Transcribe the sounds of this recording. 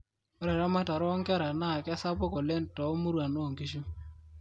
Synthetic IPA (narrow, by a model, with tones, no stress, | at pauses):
ɔ˦ɾɛ˨ɾa˦ma˦ta˨ɾɔ˦ŋkɛ˦ɾa˨na˦˨ka˦sa˦pɔ˦kɔ˨lɛ˦ntɔ˨˦mu˦ɾwa˨no˦˨ŋki˦ʃu˦